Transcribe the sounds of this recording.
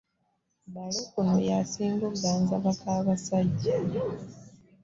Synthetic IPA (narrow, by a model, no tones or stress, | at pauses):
balokuno̰jasiːŋɡuɡaːnzaβakaːβasaɟːe